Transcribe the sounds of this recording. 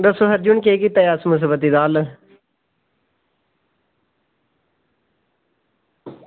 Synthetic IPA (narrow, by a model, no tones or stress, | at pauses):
d̪əsoɦəɾd͡ʒuɳkeːkit̪ajaːsmʊs̬iːbət̪̬iːd̪aːl